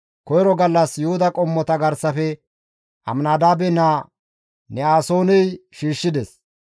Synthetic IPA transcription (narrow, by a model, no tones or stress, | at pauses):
kɔjɾɔɡɐlːɐsjʊhʊd̪ɐkʼɔmːɔt̪ɐɡɐɾsɐfɛ | ʔɐ̰mnaːd̪aːbɛnaː | nɛaːsoːnɛjʃiːʃːɪd̪ɛs